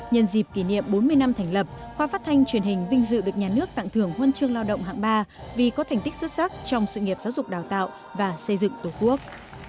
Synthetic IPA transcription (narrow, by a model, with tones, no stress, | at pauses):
ɲə˧nzi˨˩p̚ki˧˩nḭ˧˨əmɓo˨˦nmɨ˧əjna˧mt̪ʰɛ˨˧˩ŋ̟lə˨˩p̚xwaː˧faː˦˥t̚t̪ʰa˧jŋt͡ɕwi˨˩ənhï˨˩ŋ̟ɓï˧ŋ̟zɨ̰˧˨ɗɨ˨˩ək̚ɲaː˨˩nɨ˦˥ək̚t̪a̰˧˨ŋt̪ʰɨ˧˩əŋhwə˧nt͡ɕɨ˧əŋlaː˧wɗə̰˧˨ŋ͡mɦa̰ː˧˨ŋɓaː˧vi˨˩kɔ˨˦t̪ʰɛ˨˩ŋ̟t̪ï˦˥k̟̚swt̚sa˦˥k̚t͡ɕɔ˧wŋ͡msɨ̰˧˨ŋi˩əpzaː˨˦wzʊ˨˩k͡p̚ɗaː˨˩wt̪a̰ː˧˨w | vaː˨˩sə˧jzɨ̰˧˨ŋt̪o˨˩ku˦˥ək̚